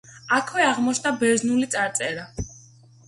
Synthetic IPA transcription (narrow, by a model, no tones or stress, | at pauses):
akʰwɛaʁmɔt͡ʃʰnabɛɾznulit̪sʼaɾt̪sʼɛɾa